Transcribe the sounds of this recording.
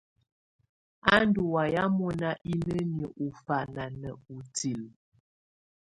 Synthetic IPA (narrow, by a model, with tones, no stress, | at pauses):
a˦ndu˨wa˨ja˦mɔ˦na˦ʔi˦nə˦njə˨ʔu˨fa˨na˨nə˨u˨ti˨l